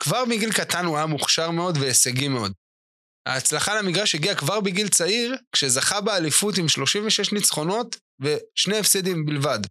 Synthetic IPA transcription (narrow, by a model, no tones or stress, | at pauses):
kvaʁbiɡilkatanujamuχʃaʁme̞o̞dveeseɡime̞o̞d̪ | ha̰ːt͡slaχaleamiɡʁaʃheɡiakvaʁbiɡilt͡saiʁkʃe̞zaχabealifut̬imʃlo̞ʃimveʃe̞ʃnit͡sχo̞no̞t | ve̞ʃneefsedimbilvad